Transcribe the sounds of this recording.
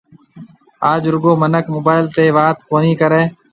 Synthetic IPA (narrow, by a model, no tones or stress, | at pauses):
aːd͡ʒɾʊɡoːmənəkmoːbaːɪlt̪eːʋaːt̪koːniːkəɾeː